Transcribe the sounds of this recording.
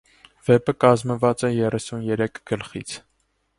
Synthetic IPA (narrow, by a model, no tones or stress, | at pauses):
v̥ɛpəkɑzməvɑt͡sɛjɛrɛsunjɛɾɛkʰɡ̥əlχḭt͡sʰ